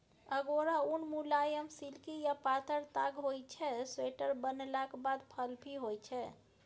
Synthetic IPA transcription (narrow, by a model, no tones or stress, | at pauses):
əɡoɾaunmulajəmsilkijapat̪əɾt̪aɡɦojt͡ʃʰɛsweʈəɾbənlakbad̪pʰəlbʱiɦojt͡ʃʰɛ